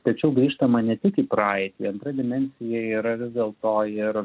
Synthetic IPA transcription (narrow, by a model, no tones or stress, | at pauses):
t̪ɐt͡ʃʲɛʊɡɾʲiːʃt̪ɐmɐnʲɛt̪ʲɪkiːpɾɑːɪt̪ʲiːɐnt̪ɾɐd̪ʲɪmʲɛnʲsʲɪjɛiːɾɐʋʲɪzʲd̪ʲeːlˠt̪oːɪɾ